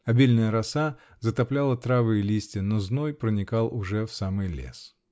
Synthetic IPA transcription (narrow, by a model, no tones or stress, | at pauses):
ɐbʲilʲnəjəɾɐsa | zət̪ɐplʲalˠət̪ɾavɨjɪlʲisʲtʲɪnoznojpɾənʲɪkalˠʊʐɛfsamɨjlʲḛs